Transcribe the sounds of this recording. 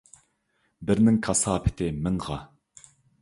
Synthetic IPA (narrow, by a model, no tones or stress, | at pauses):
bɪɾnɪŋkʰɑsɑːpʰɪ̥t̪ʰɪmɪŋʁɑ